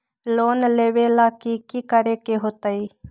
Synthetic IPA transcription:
loːnleːʋeːlaːkiːkiːkəɾeːkeɦoːt̪aiː

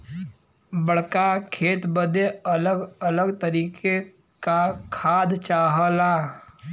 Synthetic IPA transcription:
bəɽ̤kakʰeːt̪bəd̪eələɡələɡt̪əɾiːke | kakʰaːd̪t͡ʃaːɦəlaː

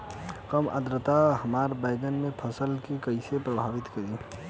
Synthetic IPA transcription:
kəmʔə̰d̪ɾət̪aɦəmaːɾbaɪɡənmẽpʰəsəlkekəɪsepɾəbʱaːʋɪt̪kəɾi

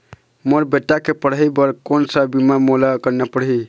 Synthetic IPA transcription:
moɾbeʈːakepəɽɦəjbəɾkonsəbimamolakəɾnepəɽɦi

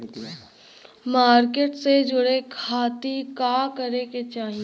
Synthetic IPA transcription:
maːɾkeːʈsed͡ʒʊɽekʰaːt̪ikaːkɐɾeket͡ʃaːɦi

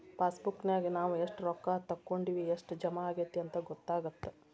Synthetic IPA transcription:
paːsbukːnjaːɡinaːʋueʂʈɾɔkːaːt̪ɐkːoɳɖiːʋieʂʈd͡ʒɐmɐaːɡet̪ːiɐnt̪ɐɡɔt̪ːaːɡɐt̪ːe

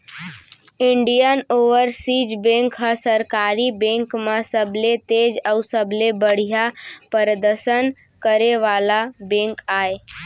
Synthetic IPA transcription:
ɪɳɖijənoːʋəɾsiːd͡ʒbẽŋkɦəsəɾkaːɾibẽŋkmesəbʱlet̪eːd͡ʒəʊsəblebəɽ̤ijapəɾəd̪əɾʃənkəɾeʋaːlabẽːŋkaːe

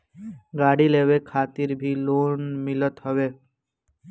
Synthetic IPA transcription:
ɡaːɽileːʋekʰaːt̪iɾbʱiːloːnmɪlət̪ɦəʋeː

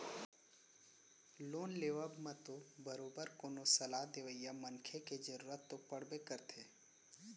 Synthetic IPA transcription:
loːnleːʋəbmẽt̪obəɾoːbəɾkoːnosəlad̪eʋəijamənkʰeked͡ʒəɾuːɾət̪ːopəɽ̤bekəɾt̪ʰeː

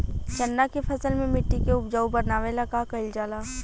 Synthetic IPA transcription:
t͡ʃɐnːakepʰɐsəlmẽmɪʈːikeʊpd͡ʒaːubɐnaːʋelɐkakɐɪld͡ʒaːlaː

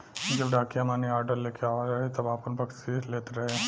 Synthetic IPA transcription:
d͡ʒɐbɖaːkijamaːniaːɾɖəɾleːkeaːɾɐɦet̪ɐbaːpənpɐksiːɾleːt̪eɾɐɦeː

